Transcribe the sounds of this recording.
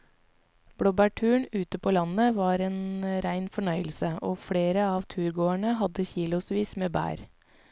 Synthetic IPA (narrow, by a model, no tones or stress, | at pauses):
b̥ɽɔbæʈʰʉːɳʉːt̪əpʰoːlɑnəʋɑːɾeːnɾæɪnfɔɳœʏəlsəoːfɽeːɾəɑːʋt̪ʰʉːɾɡoːæɳəɦɑd̪əçiːlʊsʋiːsmeːbæ̰ːɾ